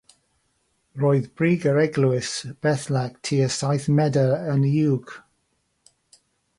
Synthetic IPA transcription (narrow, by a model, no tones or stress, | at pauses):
roːɨðbɹiːɡəɹɛɡluɪsb̥ɛθlaɡ̥tʰiːəsajθmɛdəənjuwɡ̥